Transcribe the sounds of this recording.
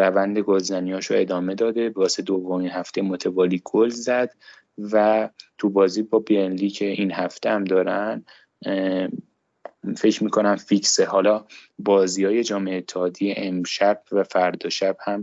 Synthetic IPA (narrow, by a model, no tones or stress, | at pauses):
ɾævænd̪e̞ɡolzænijɒːʃoe̞d̪ɒːme̞d̪ɒːd̪e̞bæːsed̪ovːo̞minhæft̪ejemot̪ʰevɒːliːɡ̥olzæd̪̥ | væt̪ʰubɒːzibɒːbeenliːcʰe̞inhæft̪ʰehæmd̪ɒːɾænd̪ | fe̞cmiːkʰo̞næmficsehɒːlɒːbɒːziːɒːje̞d͡ʒɒːmeeːt̪ʰːehɒːd̪ijeʔemʃæb̥̚væfæɾd̪ɒʃæb̥hæm